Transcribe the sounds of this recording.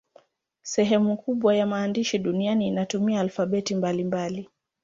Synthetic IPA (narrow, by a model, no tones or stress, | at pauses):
sɛɦɛmukuɓwajamaːndiʃiɗunianiːnatumiaːlfaɓɛtimbalimbali